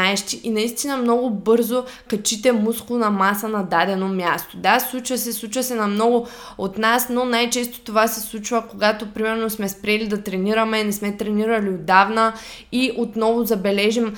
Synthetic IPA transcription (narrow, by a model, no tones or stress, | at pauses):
aɛʃt̪iʔinɐist̪inəmnɔɡʊbɤɾzokɐt͡ʃit̪ɛmusklˠonɐmasənɐd̪ad̪ɛnomjast̪od̪aslˠut͡ʃvɐsɛslˠut͡ʃvəsɛnɐmnɔɡʊ | ot̪nasnonajt͡ʃɛst̪o̥t̪ovasɛslˠut͡ʃvəkoɡat̪opɾimɛɾnosmɛspɾɛlid̪ɐt̪ɾɛniɾɐmɛnɛsmɛt̪ɾɛniɾɐliod̪avnə | iʔot̪nɔvozɐbɛlɛʒim